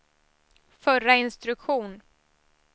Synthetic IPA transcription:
fœɾaɪnst̪ɾɵkɧuːn

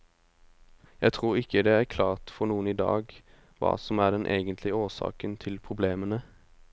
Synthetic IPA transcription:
jæt̪ʰʁuːʁɪkʰəd̪ɛːæʁkʰlɑːʁt̪fɔnuːəniːd̪ɑ̰ːɡ | ʋɑ̰ːsɔmæːʁd̪ɛnʔḛːɡənt̪lɪoːsɑ̰ːkənt̪ʰɪlpʰʁʊbleːmənə

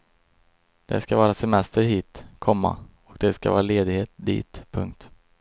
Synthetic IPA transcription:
d̪̥ɛ̰skavɑːɾasɛmɛst̪əɾɦiːt̪kʰɔmːa̰ | ɔk̚d̪ɛskavɑ̰ːɾaleːd̪ɪɡheːt̪̚d̪ḭːt̪pʰɵŋk̚t̪

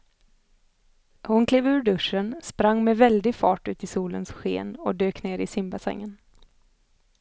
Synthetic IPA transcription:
hʊnkʰleːvʉ̟ːɾɖɵʂənspɾaŋːmɛvɛld̪ɪɡfɑːʈʉ̟ːt̪ɪsuːlənsɧḛːnɔd̪øːkneːɾɪsɪmbasɛ̰ŋːən

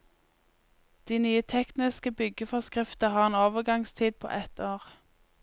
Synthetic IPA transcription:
d̪̥iːnyːət̪ʰɛknɪskəbʏɡəfɔʁskʁɪft̪əhɑːʁeːnoːʋəɡɑŋst̪ʰiːd̪̚pʰo̰ːʔɛt̪ʰoːʁ

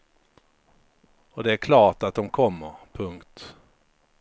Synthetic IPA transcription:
ɔd̪ɛæɾkʰlɑːʈat̪̚d̪ɔmkʰɔmːəɾpʰɵŋkt̪

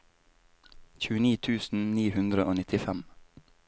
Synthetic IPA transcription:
çʉːəniːt̪ʰʉːsn̩niːhʉnd̪ɾəʔoːnɪt̪ʰɪfɛm

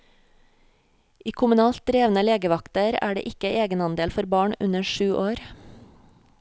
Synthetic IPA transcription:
ʔiːkʰʊmʉnɑːlt̪̚d̪ɾeːʋn̩əleːɡəʋɑkt̪əɾæ̰ːɖḛːʔɪkəʔeːɡənɑnd̪eːlfɔɾbɑːɳʉ̰nəʃʉːʔoːɾ

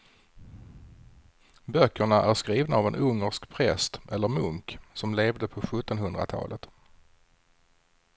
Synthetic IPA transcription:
bœkʰːəɳaʔæɾʂkɾiːvnaːvɛnʔɵŋːəʂkpʰɾɛst̪ʔɛlːəɾmɵŋksɔmleːvd̪əpʰɔɧɵt̪ːɔnɦɵnd̪ɾa̰t̪ʰɑ̰ːlʔət̪

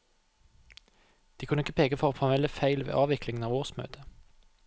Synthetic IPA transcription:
d̪̥iːkʰʉnəɪkəpʰeːɡəfɔʁoːfɑɛləfæɪlʋḛːʔɑːʋɪklɪŋnɑːʋoːʁsmø̰ːt̪ʰə

